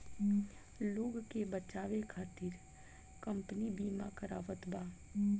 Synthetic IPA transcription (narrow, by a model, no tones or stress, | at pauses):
loːɡkebət͡ʃaːʋekʰaːt̪ɪɾ | kə̃mpnibiːmakəɾaːʋət̪baː